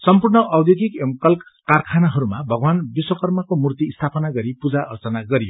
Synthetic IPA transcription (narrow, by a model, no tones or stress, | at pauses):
sʌmpurnʌʔʌwd̪joɡikemkʌlkkarkʰanaɦʌɾumabʱʌɡwanbiswʌkʌrmʌkomurt̪iːst̪ʰapʌnaɡʌɾipud͡zaʔʌrt͡sʌnaɡʌɾijo